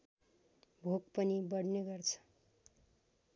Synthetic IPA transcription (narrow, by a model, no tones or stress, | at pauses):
bʱoɡpʌnibʌɽneɡʌrt͡sʰʌ̥